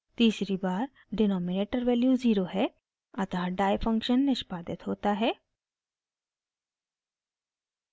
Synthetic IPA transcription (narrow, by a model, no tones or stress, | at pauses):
t̪iːsɾibaːɾ | ɖɪnɔːmɪneːʈəɾʋɛːljuziːɾoɦɛ | ɐt̪ʰaɖaːjfʰɐ̃ŋkʃənːɪʃpaːd̪ɪt̪ɦoːt̪aɦɛː